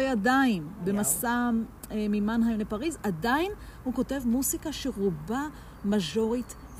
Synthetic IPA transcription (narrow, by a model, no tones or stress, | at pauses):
ejadaimbemasa | mimanɦajomlepaʁizadainhuko̞te̞vmuzikaʃeʁuba | maʒo̞ʁit